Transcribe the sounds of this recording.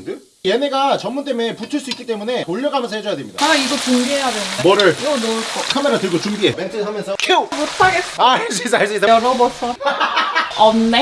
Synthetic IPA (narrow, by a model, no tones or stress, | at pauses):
ndɯ | jene̞ɡat͡ɕʌmːunt͈emeputʰɯɭs͈uik͈ːit͈emune̞oʎːʌɡamjʌnsʰʌhed͡ʑʌjadwemɲidaaiɡʌt͡ɕumbiɦe̞jadwenɯnemʌɾɯɭnok͈okʰame̞ɾatɯɭɡot͡ɕumbiement͡ɕʰɯɦamjʌnsʰʌkʰeobot͈ʰaɡeat͡ɕʰesaɭs͈ɯid̪aʌnʌbʌsʰʌ | ʌnne